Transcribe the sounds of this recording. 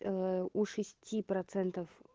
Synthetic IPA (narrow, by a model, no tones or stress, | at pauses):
uʂɨsʲtʲipɾɐt̪sɛnt̪əf